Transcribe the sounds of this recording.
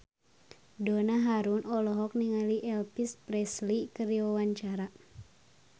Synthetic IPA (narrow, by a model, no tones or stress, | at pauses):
donaɦaɾunɔlɔɦɔk̚niŋaliʔɛlpispɾɛslikəɾiwawaɲt͡ʃaɾa